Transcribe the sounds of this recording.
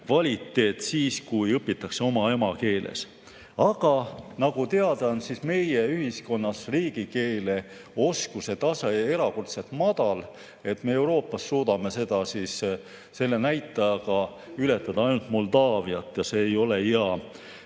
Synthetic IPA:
kvɑlʲit̪ːe̞ːt̪siːskujɤpːˑit̪ːˑɑkse̞o̞mɑe̞mɑke̞ːlʔḛs | ɑɡ̥ɑnɑɡ̥ut̪eɑd̪̥ɑnsisme̞je̞yɦisko̞nːɑsriːɡ̥ike̞ːle̞ | o̞skuse̞t̪ɑsee̞ɾɑko̞rt̪se̞lt̪mɑd̪̥ɑl | e̞t̪me̞e̞wɾo̞ːpːˑɑsːuːd̪̥ɑme̞se̞d̪̥ɑsis | se̞lːe̞næjt̪ːˑɑjɑɡ̥ɑ | yle̞t̪ːˑɑd̪̥ɑɑjnult̪mo̞ld̪ɑːviɑt̪ːˑjɑse̞ːjo̞le̞eɑ

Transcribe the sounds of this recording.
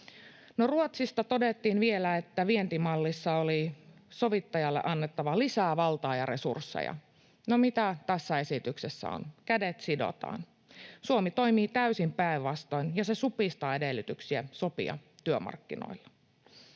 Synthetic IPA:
noruot̪sist̪ɑt̪o̞det̪ːiːnʋielæet̪ːæʋient̪imɑlːisːɑoliso̞ʋit̪ːɑjɑlːḛʔɑnːet̪ːɑʋɑlisæːʋɑlt̪ɑːjɑɾe̞sṵrsːḛjɑ̰ | nomit̪æt̪æsːæe̞sit̪yksesːæ̰o̰nkædet̪sido̰t̪ɑ̰ːn | suomit̪o̞jmiːt̪æysimpæiʋːɑst̪o̞injɑsesupist̪ɑːedelːyt̪yksiæsopḭɑ̰t̪yømɑ̰rkːino̰ilːɑ̥

